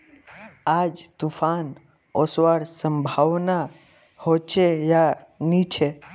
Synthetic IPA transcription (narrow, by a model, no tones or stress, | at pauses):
ad͡ʒt̪ufan | ɔsʋaɽsəmbʱaʋna | hot͡ʃejanit͡ʃʰe